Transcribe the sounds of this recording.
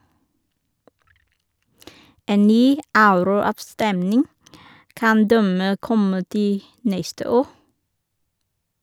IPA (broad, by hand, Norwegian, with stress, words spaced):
ˈeːn ˈnyː ˈɑʉɾʊˌɑːʋˌstɛmnɪŋ ˈkɑn ˈdæmeː ˈkɔmə ˈtiː ˈnɛstə ˈoː